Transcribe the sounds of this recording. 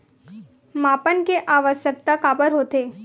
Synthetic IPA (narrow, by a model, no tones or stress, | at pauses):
maːpənkeʔaːʋəsjək̚t̪akaːbəɾɦoːt̪eː